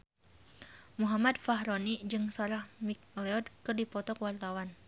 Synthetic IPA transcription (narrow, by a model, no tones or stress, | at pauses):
muɦamad̪̚faɦɾonid͡ʒɨŋsaɾahmik̚lɛɔd̪̚kɨrdipɔt̪ɔkwart̪awan